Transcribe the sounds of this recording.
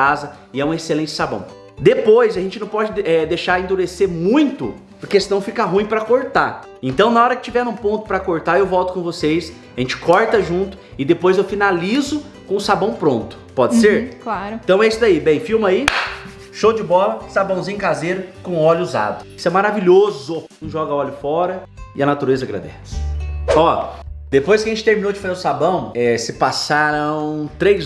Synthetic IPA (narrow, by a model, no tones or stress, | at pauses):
azɐ | ɪɛũeselẽnt͡ʃɪ̥sabɐ̰̃w̃ | d̪epojzɐʒẽnt͡ʃɪnɐ̃w̃pɔd͡ʒɪɛd̪ejʃaɾẽnd̪uɾeseɾmũj̃t̪ʊ̰ | pʊɾkesɪnɐ̃w̃fikɐɦũij̃pɾɐkoɾt̪a | ẽnt̪ɐ̃w̃naɔɾɐkɪ̥t͡ʃivɛ̃nũpõnt̪ʊpɾɐkoɾt̪aɾewvɔwt̪ʊ̥kõvosejs | aʒẽnt͡ʃɪ̥kʰɔɾt̪ɐʒũnt̪ʊ̥ | ɪd̪epojzewfinalizʊ | kõʊsabɐ̃w̃pɾõnt̪ʊ̥pɔd͡ʒɪseɾklaɾʊ̃t̪ɐ̃w̃ɛisʊd̪aibẽj̃fiwmɐai | ʃowd͡ʒɪbɔlɐsabɐ̃w̃zĩɲʊkazeɾʊkõɔʎʊuza̰d̪ʊsʊɛmaɾaviʎozʊʊ̃ʒɔɡɐɔʎʊfɔɾɐ | ɪɐnat̪uɾezɐɡɾa̰d̪ɛsɪ̥ɔd̪̥epojskɪɐʒẽt͡ʃɪt̪eɾminowd͡ʒɪfazeʊsabɐ̃w̃ɛsɪpasaɾɐ̃w̃t̪ɾejz